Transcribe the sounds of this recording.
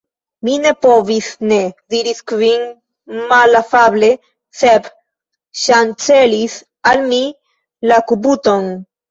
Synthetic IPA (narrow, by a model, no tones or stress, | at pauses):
minepovisneðiɾiskviŋ | malafaβle | sep | ʃant͡selis | almi | lakubut̪on